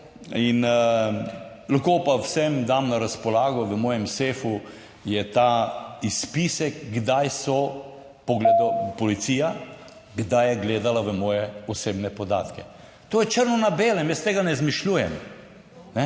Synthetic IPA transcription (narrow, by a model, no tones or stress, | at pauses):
in | laxkoːpawsɛmd̪amnaɾaspɔlaːɡɔʋəmɔːjɛmseːfu | jɛt̪aispisɛkɡd̪ajsɔ | pɔɡled̪ɔpɔlit̪sija | ɡd̪ajɛɡleːd̪alaʋəmɔːjɛɔseːbnɛpɔd̪a̰ːt̪kɛ | t̪oːjɛt͡ʃəɾnɔnabeːlɛmjəst̪eːɡanɛzmiʃluːjɛm | nɛ